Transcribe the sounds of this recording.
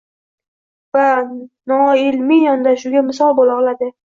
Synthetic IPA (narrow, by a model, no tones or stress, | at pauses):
vanɒɪlmɪjɒnd̪aʃʊɡʲamɪsɒlˠbolˠɒʁlˠad̪ɪ